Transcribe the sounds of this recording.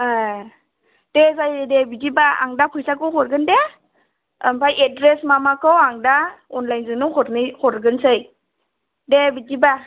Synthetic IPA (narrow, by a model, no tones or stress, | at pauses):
a | d̥ezajdebidibaa̰ŋdapʰɯjsakɯwhɔɾɡɯnde | mpʰajetdɾesmamakʰɯwaŋdaɔnlajnzɯŋnɯŋhɔɾnɯhɔɾɡɯnsɯj | debidiba